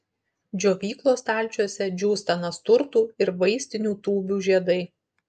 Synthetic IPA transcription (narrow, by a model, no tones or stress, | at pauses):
d͡ʒʲoːʋʲiːklˠoːst̪ɑˑlʲˑt͡ʃʲuɔsʲɛd͡ʒʲuːst̪ɐnɐst̪ʊɾt̪uːɪɾʋɐɪsʲt̪ʲɪnʲuːt̪uːbʲuːʒʲiɛd̪ɐɪ